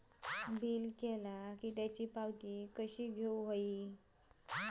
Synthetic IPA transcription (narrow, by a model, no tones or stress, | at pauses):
biːlkɛlakiːt̪jat͡ɕiːpawt̪iːkəɕiːɡʱeuɦoi